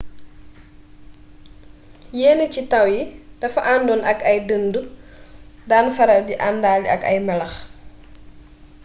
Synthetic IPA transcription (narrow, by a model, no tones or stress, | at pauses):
jɛːnəcitɐwjid̥ɐfɐʔaːndɔnʔɐkɐjdəndu | daːnfɐɾɐdiʔandaːliɐ̰kɐ̰jmɛlɐx